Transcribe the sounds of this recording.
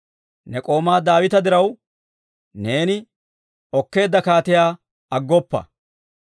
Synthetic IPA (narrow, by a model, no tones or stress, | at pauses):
nɛkʼo̞ːmaːd̪aːwɪt̪ɐd̪ɪɾɐw | ne̞ːnɪ | ɔkːe̞ːd̪ːɐkaːt̪ɪjaː | ɐɡːɔpːɐ̰